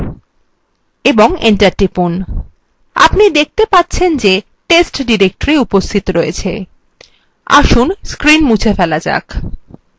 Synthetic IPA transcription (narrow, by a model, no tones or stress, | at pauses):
eboŋeɳʈaɾʈɾipun | a̰pnid̪ek̚ʰt̪epat̪ːɕʰend͡ʑe | ʈesʈɖiɾek̚ʈoɾiupost̪ʰit̪oɾojet͡ɕʰe | a̰ʃunskɾinmut͡ɕʰefɛlad͡ʑa̰kʰ